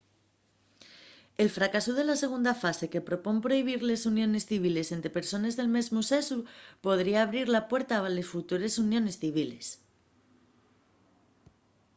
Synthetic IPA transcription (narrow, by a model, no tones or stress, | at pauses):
e̞lfɾakasuð̞e̞lase̞ɣ̞und̪afase̞ke̞pɾo̞po̞mpɾo̞iβ̞iɾle̞sunjo̞ne̞sθiβ̞ile̞se̞nt̪ɾepe̞ɾso̞ne̞zðe̞lme̞zmuse̞supo̞ð̞ɾiaːβ̞ɾiɾlapwe̞ɾt̪aβalesfut̪uɾe̞sunjõ̞ne̞sθiβ̞ile̞s